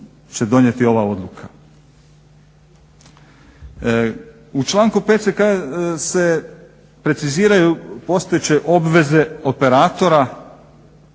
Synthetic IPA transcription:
t͡ɕed̪o̞ɲje̞t̪io̞ʋao̞d̪lukʰa | ut͡ʃlˠaːŋkupe̞t̪sekase̞ | pɾe̞t̪siziːɾajupo̞st̪ojet͡ɕeʔo̞bʋe̞ze̞o̞pe̞ɾaːt̪o̞ɾa

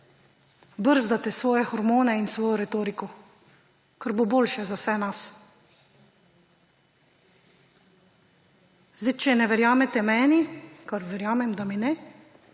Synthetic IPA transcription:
bəɾzd̪at̪ɛsʋɔːjɛxɔɾmoːnɛinsʋɔːjɔɾɛt̪oːɾikɔ | kaɾboboːlʃɛzawsɛnas | zd̪it͡ʃɛnɛʋɛɾjaːmɛt̪ɛmɛːnikaɾʋɛɾjaːmɛmd̪aminɛ

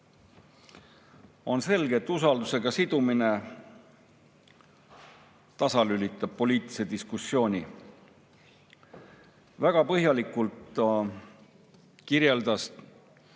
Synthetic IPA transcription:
o̞nse̞lɡ̥e̞t̪ːˑusɑld̪use̞ɡ̥ɑsid̪̥umine̞ | t̪ɑsɑlylʲit̪ːˑɑb̥̚po̞lʲiːt̪ˑise̞d̪iskusːjo̞ːnʲi | væɡ̥ɑpɤɦjɑlikˑult̪ | kiɾje̞ld̪̥ɑs

